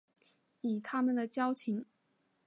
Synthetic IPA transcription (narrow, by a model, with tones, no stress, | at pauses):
i˨˩t̪ʰa˥mə˨nd̪ə˨˩t͡ɕjɑ˥ʊt͡ɕʰi˧˥ŋ